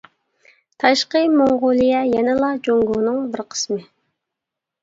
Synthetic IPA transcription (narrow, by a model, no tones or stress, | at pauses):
t̪ʰɑʃqəmoŋʁʊlˠijɛjɛnɪlˠɑd͡ʒoŋɡunɨŋbɪɾqʰə̥smɨ